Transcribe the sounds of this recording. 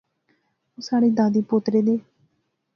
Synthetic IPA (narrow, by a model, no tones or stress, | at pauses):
oːsaːɽeːd̪aːd̪iːpʊt̪ɾeːd̪eː